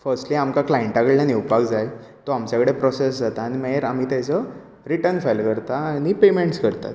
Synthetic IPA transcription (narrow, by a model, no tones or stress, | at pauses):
fəɾsʈliːamkaklaeɳʈakəɭljaniwpaɡd͡zaj | t̪oamt͡ɕakɽepɾɔsesd͡zat̪aːñimaeɾam̤iːt̪jat͡sə | ɾiʈənfalkəɾt̪aːñipemeɳʈskəɾt̪a̰t̪